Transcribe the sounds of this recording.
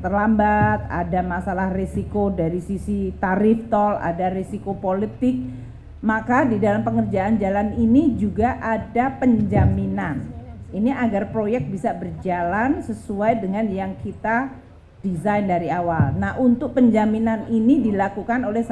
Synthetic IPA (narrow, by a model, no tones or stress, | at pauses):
t̪ərlambat̪̚a̰damasalahresikodaɾisisit̪aɾift̪ɔla̰daresikopolit̪ɪk̚ | makadidalampəŋərd͡ʒaʔand͡ʒalaninid͡ʒuɡaʔadapəɲd͡ʒaminaniniʔaɡarpɾojɛk̚t̪̚bisabərd͡ʒalansəsuajdəŋanjaŋkit̪a | d̥izajndaɾiawalnahʔunt̪ʊk̚pəɲd͡ʒaminaninidilakukanolɛhs